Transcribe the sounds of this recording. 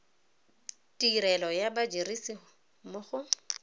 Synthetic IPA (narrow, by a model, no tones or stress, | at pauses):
tʼiɾɛlɔjabad͡ʒiɾisi | mʊχʊ